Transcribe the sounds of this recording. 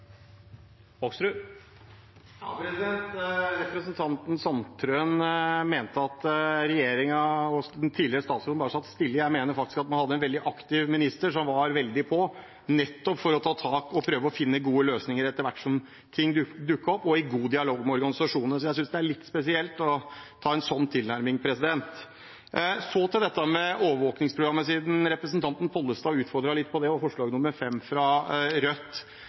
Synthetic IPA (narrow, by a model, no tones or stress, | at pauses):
ɔksɾʉ | ɑpɾɛsɪd̪ɛnt̪ɾɛpɾəsənt̪ʰɑnt̪n̩sɑnt̪ʰɾøːnmeːnt̪əɑt̪ɾɛjeːɾɪŋɑɔd̪nt̪ʰiːlɪɾəst̪ɑːt̪suːd̪bɑːɾəsɑt̪ːst̪ɪlːəjæɪmeːnəɾfɑk̚t̪ɪ̥skɑt̪̚mɑnhɑd̪ːəɛnʋɛld̪ɪʔɑkt̪ɪʋmɪnɪst̪əʂɔmʋɑɾʋɛld̪ɪpʰɔ | nɛt̪ːɔpfɔɾɔt̪ʰɑːt̪ʰɑːkɔpʰɾøːʋəɔfɪnːəɡuːəløːsnɪŋəɾɛt̪ːəɾʋæʈːʂɔm | t̪ʰɪŋːd̪d̪ʉkːəɔpːɔɪɡuːd̪ɪɑloːɡmɛɔɾɡɑnɪsɑʂuːnənəsɔjæɪs̬ʏnsd̪ɛæɭɪt̪ːspɛsɪɛlt̪ɔt̪ʰɑːɛnsɔnːt̪ʰɪlnæɾmɪŋpʰɾɛsɪd̪ɛnt̪ | sɔt̪ɪld̪ɛt̪ːəmɛoːʋəɾʋoːknɪŋspʰɾʊɡɾɑmːəsiːd̪n̩ɾɛpɾəsnt̪ʰɑnt̪n̩pʰɔlːəst̪ɑːʉːt̪fɔɾd̪ɾɑlɪt̪ːpʰɔd̪ɛɔfɔʂɭɑːɡnʊmːəɾfɛmːfɾɑɾœt̪ː